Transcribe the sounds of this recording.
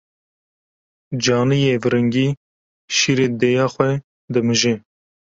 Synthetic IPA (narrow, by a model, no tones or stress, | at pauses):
d͡ʒɑːnɨjevɨɾɨŋɡiː | ʃiːɾeːd̪ejɑːxʷɛ | d̪ɨmɨʒe